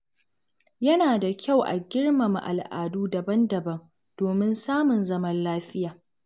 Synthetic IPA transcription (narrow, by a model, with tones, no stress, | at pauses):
jɐ˦naː˨da˨kʲa˦˨wʔa̰˨ɡʲɪ˦ɽmɐ˨ma̰˨ʔa̰˨lʔa̰ː˨duː˦dɐ˨bɐ˦ndɐ˨bɐ˦m | d̥oː˨mɪ˦nsaː˦mʊ˨nzɐ˦mɐ˦nlaː˦ɸɪ˦jaː˨